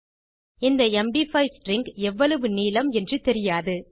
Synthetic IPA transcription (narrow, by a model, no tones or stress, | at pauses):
ɪnd̪ɐɛmɖifɐɪsʈrɪŋɡɛʋːɐɭɐʋɯniːlɐmɛndrɯt̪ɛɾɪjaːðɯ